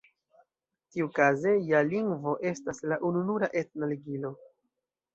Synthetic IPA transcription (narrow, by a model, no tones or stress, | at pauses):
tiukaze̞jaliŋɡvo̞ʔe̞staslaʔununuɾaʔe̞t̚naliɡilo̞